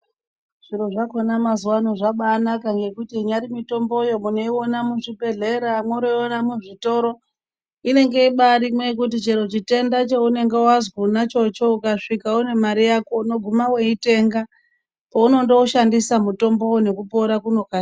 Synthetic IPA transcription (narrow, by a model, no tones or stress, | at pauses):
ʐ̥iɾoʐakonamazuwanoʐaɓaːnakaŋɡe̞kutiɲaɾimito̞mbo̞jo̞mune̞iwo̞namuʐibʱe̞ɮe̞ɾamwoɾoiwonamuʐito̞ɾo̞ | ine̞ŋɡe̞iɓaɾimwe̞k̬utit͡ʃeɾot͡ʃite̞ndat͡ʃeune̞ŋɡe̞wazɡunat͡ʃo̞t͡ʃo̞ukaʂikaune̞maɾijako̞no̞ɡʱumawe̞ite̞ŋɡa | pouno̞ndo̞uʃandisamuto̞mbo̞wone̞kupoɾakuno̞ka